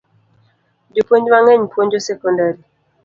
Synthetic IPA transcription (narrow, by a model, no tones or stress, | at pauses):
d͡ʒopwoɲd͡ʒwaŋɛɲpwoɲd͡ʒosɛkɔndaɾi